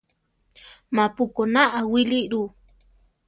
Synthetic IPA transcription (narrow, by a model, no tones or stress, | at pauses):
mapukonaʔawiliʔɾu